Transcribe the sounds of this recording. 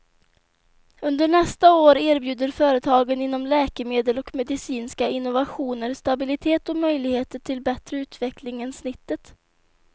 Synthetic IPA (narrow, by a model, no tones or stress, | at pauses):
ɵnd̪əɳɛst̪aoːɾeːɾbjʉ̟ːd̪əɾfœːɾət̪ʰɑːɡənɪnːɔmlɛːkəmeːd̪əlɔkmɛd̪ɪsiːnskaɪnːʊvaɧuːnəɾst̪abɪlɪt̪ʰeːt̪ɔmœjlɪɡheːt̪əʈʰɪlbɛt̪ɾəʉ̟ːt̪vɛklɪŋənsnɪt̪ːət̪